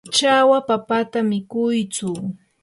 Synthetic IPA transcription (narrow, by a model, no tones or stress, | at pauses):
t͡ʃawapapat̪amɪkʊjt͡sʊ